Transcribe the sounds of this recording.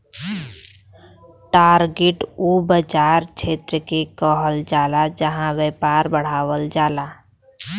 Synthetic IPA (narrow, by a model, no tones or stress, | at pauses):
ʈaːɾɡeʈuːbəd͡ʒaːɾt͡ʃʰeːt̪ɾəkekɔːɦəld͡ʒaːlad͡ʒəɦãweːpaːɾbəɽ̤aːwəld͡ʒaːlaː